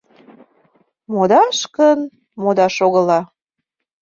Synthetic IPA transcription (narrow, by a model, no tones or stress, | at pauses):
mod̪ɑʃkən | mod̪ɑʃoɣəlɑ